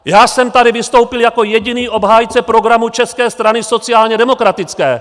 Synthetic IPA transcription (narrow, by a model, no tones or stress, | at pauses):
jaːsɛmt̪adɪvɪst̪o̞wpɪljako̞jɛɟɪniːʔo̞bɦaːjt͡sɛpɾo̞ɡɾamut͡ʃɛskɛːst̪ɾanɪso̞t͡sɪaːlɲɛdɛmo̞kɾat̪ɪt͡skɛ̰ː